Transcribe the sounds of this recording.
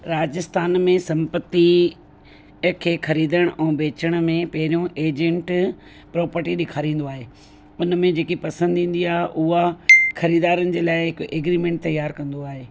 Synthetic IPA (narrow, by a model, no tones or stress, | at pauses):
ɾaːd͡ʑɪst̪aːnmẽsɐ̃mpət̪i | kʰeːxɐɾiːd̪əɽ̃ʊʔɛ̃ːbeːt͡ɕəɽ̃ʊ̆mẽpɐɦɪɾijõʔeːd͡ʑẽɳʈ | pɾɔːpəɾʈiɗɪkʰaːɾĩːn̆d̪oaːɦeː | ʊnmẽd͡ʑeːkipɐsə̃nd̪ʱĩːn̆d̪iaːɦeʔʊɦaxɐɾiːd̪aːɾənɪ̆d͡ʑeːlaːɪɦɪkʔeːɡɾiːmẽɳʈ̚t̪ɐjːaːɾkɐ̃nd̪oaːɦeː